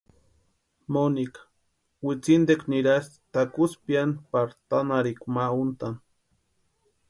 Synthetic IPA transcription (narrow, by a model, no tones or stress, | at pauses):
monikḁ | wit͡sind̪ekniɾast̪akuspjanpaɾt̪anaɾikmaunt̪an